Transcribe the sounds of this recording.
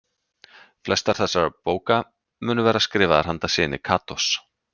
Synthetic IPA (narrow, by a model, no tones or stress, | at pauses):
flɛst̪aɾ̥θɛsːaɾpoːwka | mʏːnʏvɛːɾaskɾɪːvaðaɾ̥hant̪asɪːnɪkʰaːt̪ɔs